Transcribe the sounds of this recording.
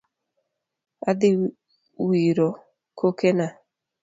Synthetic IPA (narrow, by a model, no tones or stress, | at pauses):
ad̪ɪ | wiɾo | kʰokena